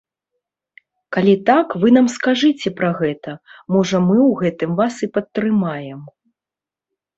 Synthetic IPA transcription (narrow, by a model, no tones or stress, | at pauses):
kalʲit̪akvɨnamskaʐɨt͡sʲɛpɾɐɣɛt̪ɐmɔʐɐmɨwɣɛt̪ɨmvasipɐt̪ːɾɨmajɛm